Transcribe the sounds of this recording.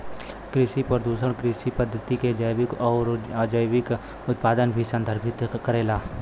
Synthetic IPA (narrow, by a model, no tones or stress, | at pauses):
kɾɪʃipəɾd̪uːsəɽkɾɪʃipəd̪ʱːət̪iked͡ʒəjʋɪkɔːɾd͡ʒəjwɪk | ʊt̪̚paːd̪ənbʱisə̃nd̪ʱəɾpʰɪt̪kəɾeːlaː